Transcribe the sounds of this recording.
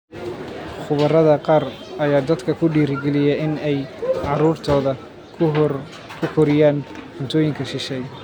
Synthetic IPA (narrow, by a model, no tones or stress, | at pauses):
χʊβɐrɐðɐqɑːrɐjaːd̪ɐd̪kʰɐkʰʊɖiːɾɪɡɛlɪjɛɪnɛjʕɑɾuːrt̪ʰɔːðɐ | kʰʊkʰɔɾɪjaːnħʊnt̪ʰɔːjɪŋkʰɐʃɪʃɛj